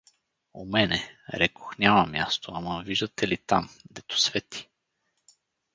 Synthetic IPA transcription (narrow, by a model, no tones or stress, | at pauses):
o̰mɛnɛɾɛko̥xnʲamɐmʲjast̪oaməviʒd̪ət̪ɛlit̪a̰md̪ɛt̪o̥svɛt̪i̥